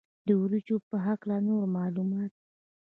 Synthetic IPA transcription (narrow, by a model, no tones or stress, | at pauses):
d̪əwɾit͡ʃopəɦaklanoɾmɑlumɑt̪̚